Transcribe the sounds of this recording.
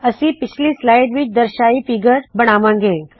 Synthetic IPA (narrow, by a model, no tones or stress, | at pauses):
ɐsĩpɪt͡ʃʰlislaːɪɖʋɪt͡ʃʰd̪ɐɾʃaːifiɡəɾbɐɽ̃aːʋãːŋɡẽː